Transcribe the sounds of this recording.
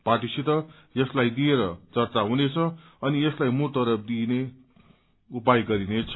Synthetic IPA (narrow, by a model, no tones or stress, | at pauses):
paʈisit̪ʌ | jʌslajd̪ieɾʌt͡sʌrt͡saɦunet͡sʰʌ | ʌnieslajmut̪ʌɾʌp̚d̪ine | upajɡʌɾinet͡sʰʌ